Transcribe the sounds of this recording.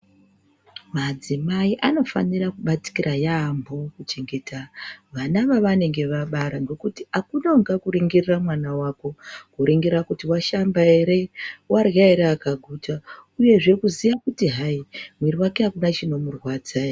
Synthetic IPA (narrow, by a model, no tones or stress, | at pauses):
mad͡zimaiʔano̞fa̰nirakuɓat͡si̥kirajaːmbo̞kut͡ʃe̞ŋɡe̞tʰaʋanaʋaʋane̞ŋɡe̞ʋaɓaɾaŋɡo̞kutiakunoŋɡakuɾiŋɡiriramwanawako̞kuɾiŋɡiɾakutiwaʃambaeɾe̞warjaeɾeːkaɡʱutauje̞ʐe̞kuzijakutiɦaimweɾiwake̞akunat͡ʃino̞murwad͡zaja